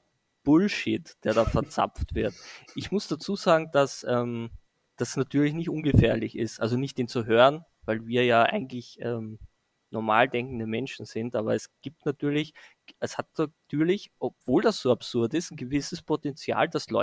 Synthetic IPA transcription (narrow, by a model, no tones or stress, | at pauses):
b̥ʊlʃɪtd̥eːɐɾaːfɛɐt͡sa̰p͡ftv̥ɪɐtʔɪçmʊsd̥at͡suːzaːɡŋ̩d̥asʔɛːm | d̥asnatʰyːɐlɪçnɪçtʊnɡəfeːɐlɪçɪstʔa̰lzonɪçtd̥eːnt͡suɦøːʁən | vaɪlviːɐjaːʔa̰ɪɡŋ̩tlɪçʔɛːm | nɔɐma̰ːldɛŋkn̩dəmɛnʃn̩z̥ɪntʔaːbɐɛsɡ̥iːp̚tnatʰyːɐlɪç | ʔɛshat̚natʰyːɐlɪçʔɔpv̥oːldasz̥oːapsʊɐtɪsn̩ɡəvɪsəspʰotɛnt͡sja̰ːld̥aslɔ̰